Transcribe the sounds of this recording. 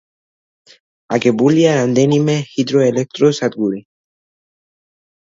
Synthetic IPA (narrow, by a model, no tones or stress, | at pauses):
a̰kebuliaɾand̪enimehid̪ɾoelek̚t̪ɾosat̪̚ɡuɾi